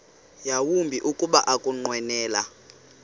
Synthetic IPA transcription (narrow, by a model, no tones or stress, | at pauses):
jawumbʱiʔukʼuɓaʔakʼuŋ͡ǃwɛnɛːla